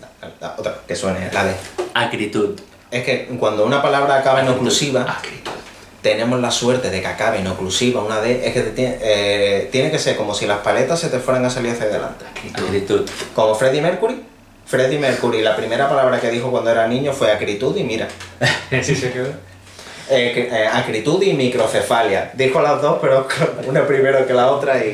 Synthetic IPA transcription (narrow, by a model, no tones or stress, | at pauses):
la̰ot̪ɾake̞swe̞nelaðeakɾit̪ut̪ | e̞hke̞kwand̪ounapalaβɾaːkaβenoklusiβaakɾit̪u | t̪e̞nẽ̞mozlaswe̞ɾt̪e̞ðe̞kakaβenoklusiβaunaðeehket̪et̪je̞nekese̞ɾko̞mo̞silahpale̞t̪asːe̞t̪e̞fwe̞ɾaŋasaliɾaθaaðela̰nt̪ekit̪kɾit̪utko̞mo̞fɾe̞ðime̞ɾkuɾi | fɾe̞ðime̞ɾkuɾilapɾime̞ɾapalaβɾake̞ðixokwand̪oeɾanĩɲo̞fwe̞akɾit̪uðimiɾa̰ | sske | kakɾit̪uðimikɾo̞θe̞faljad̪ixoalaɦðo̞hpe̞ɾokounapɾimeɾoke̞lao̞t̪ɾai